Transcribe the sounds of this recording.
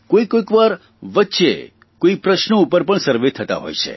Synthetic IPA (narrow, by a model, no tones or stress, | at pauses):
koikoikʋaɾ | ʋətːʃḛ | koipɾəʃnoupəɾpəɳsəɾʋet̪ʰːət̪a̰ɦo̰jt͡ʃʰḛ